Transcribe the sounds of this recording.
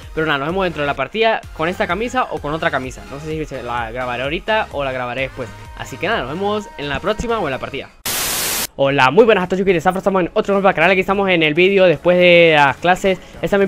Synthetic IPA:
peɾonaðanoβe̞oðet̪ɾoelapaɾt̪iðako̞ne̞st̪akamisaʔo̞ko̞no̞t̪ɾakamisa̰no̞sesisela̰ɣɾaβaɾeaoɾit̪aʔolaɣɾaβaɾeðespwe̞s | a̰sike̞naðanoβemose̞nlapɾo̞ksimaoe̞nlapaɾt̪iða̰ | o̞lamujβwe̞nasat̪ot͡ʃukiðesafɾost̪amsenot̪ɾoɣolpakanalakiest̪amo̞se̞ne̞lβiðjo̞ðespwe̞zðe̞lasklase̞s | est̪amje

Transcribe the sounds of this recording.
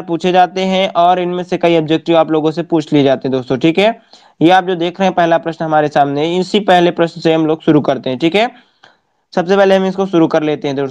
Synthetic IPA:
ɾpuːt͡ʃʰed͡ʒaːt̪eɦɛ̃ʔɔːɾɪnmẽsekɐiɐb̚d͡ʒɛk̚ʈiõaːploːɡõsepuːt͡ʃʰlied͡ʒaːt̪iɦɛ̃d̪oːst̪oʈʰiːkɦɛː | jeaːp̚d͡ʒoːd̪eːkʰɾəɦeɦɛ̃pɛɦlapɾɐʃnɦɐmaːɾesaːmneɦɛɪsipɛɦlepɾɐʃnseɦɐmloːɡʃʊɾukɐɾt̪eɦɛ̃ʈʰiːkɦɛː | sɐbsepɛɦleɦɐ̃mɪskoʃʊɾukɐɾleːt̪eɦɛ̃d̪oː

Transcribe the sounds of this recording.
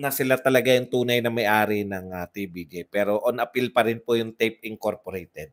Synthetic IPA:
nɐsɪlat̪ɐlɐɡajʊŋt̪uːnɐjnɐmɐjʔaːɾɪnɐŋɐt̪ibid͡ʒipɛːɾo̞ʔonʔɐpilpɐɾɪnpojʊŋt̪ɛjp̚ɪŋko̞ɾpoɾɛjt̪ɛd̪̚

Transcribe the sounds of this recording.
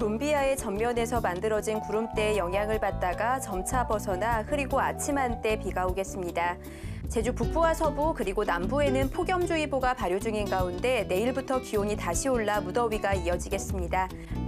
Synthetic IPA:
ombiae̞t͡ɕʌmːjʌne̞sʰʌmandɯɾʌd͡ʑinkuɾɯmt͈e̞ːjʌŋɦjaŋɯɭpat̚t͈aɡat͡ɕʌmt͡ɕʰabʌsʰʌnahɯɾiɡoat͡ɕʰimɦant͈e̞piɡaoɡe̞s͈ɯmɲida | t͡ɕe̞d͡ʑupuk̚p͈uasʰʌbukɯɾiɡonambue̞nɯnpʰoɡjʌmd͡ʑuiboɡapaɾjod͡ʑuŋinɡaunde̞ne̞iɭbutʰʌkioɲitaɕʰioɭːamudʌɥiɡaiʌd͡ʑiɡe̞s͈ɯmɲida

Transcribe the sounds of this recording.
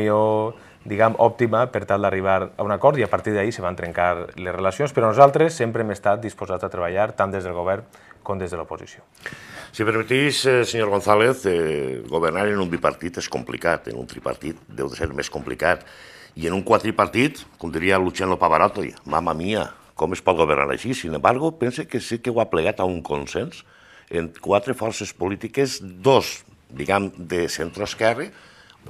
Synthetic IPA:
io | d̪iɣamʔɔp̚t̪iməpəɾt̪alˠd̪ariβ̞aɾaunakɔɾt̪iapaɾt̪iɾðaiseβant̪ɾeŋkaɾlezrelasionspeɾɔnuzalˠt̪ɾesːempɾeemest̪at̪̚d̪ispozazat̪ɾeβaʎaɾt̪and̪ezð̞elˠɣoβɛɾŋ | komd̪ezðeəlopozḭsio | sipeɾmit̪isseɲoɾɣonθaleθɣoβeɾnaɾenumbipa̰ɾt̪it̪eskṵmplḭkat̪ḛnṵnt̪ɾipa̰ɾt̪it̪̚d̪ḛwðeseɾmeskomplḭkat̪ienuŋkwat̪ɾipaɾt̪it̪komd̪iɾialut͡ʃianopaβaɾɔt̪ojma̰mamia | kɔmespɔt̪̚ɣoβeɾna̰ɾa̰ʃisinembaɾɣupensekesikewapleɣ̞at̪auŋkonsens | eŋkwat̪ɾefɔɾsespolit̪ikezd̪oz | d̪iɣamd̪esent̪ɾoeskɛre

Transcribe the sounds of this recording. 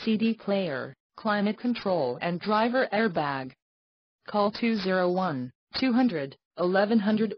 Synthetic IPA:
sidipʰl̥eɪə̰˞ | kʰl̥ãɪ̃mɨt̚kʰə̃ntʰɹ̥oʊlˠɨ̃ndɹaɪvə˞ʔɛɹbæɡ | kʰɔlˠtʰʉzɪɹoʊwʌ̃n | tʰʉɦʌ̃ndɹɨɾ | ɪlɛvɨ̃nɦʌ̃ndɹɨɾ

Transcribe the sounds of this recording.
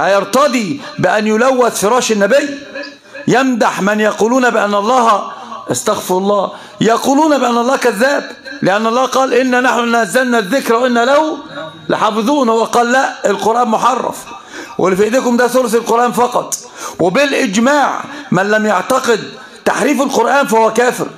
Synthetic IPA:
hajɑɾˤt̪ɑd̪ibɪʔænjʊlæwːæθfɪɾˤɑːʃɪnːæbɪj | jæmd̪aħmænjɑquːluːnæbɪʔanːʔɑlˤːɑːhʔɑst̪ɑɣfɪɑlˤːɑː | jɑquːluːnæbɪʔænːʔɑlˤːɑːhkæðːæːblɪʔænːʔɑlˤːɑːqɑːlʔɪnːænaħnʊnææzːælnæðːɪkɾæwʔɪnːælæw | lɪ̰ħɑːfɨðˤuːnhowːæqɑːlːæʔɪlqoɾʔæːnmʊħɑrˤːɑ̰f | wʔɪlːɪfiʔɪd̪iːkʊmd̪æːθoɾsɪlqoɾʔæːnfɑqɑt̪ˤ | wɪbɪlʔɪd͡ʒmaːʕmænlæmjaʕt̪ɑqɪd̪ | t̪a̰ħɾiːfɪlqoɾʔæːnfæhowːækæːfɪ̰ɾ

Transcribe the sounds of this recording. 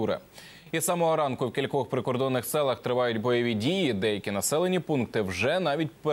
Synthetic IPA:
uɾɪ̰ | isɑmɔɦɔɾɑnkʊwkʲilʲkɔxpɾɪkɔrd̪ɔnːɪxsɛlˠɐxt̪ɾɪʋɑjʊtʲbɔjɔʋʲidʲijid̪ɛjɐkʲinɐsɛlˠenʲipunkt̪ɪwʒɛnɑʋʲit̚ʲpe

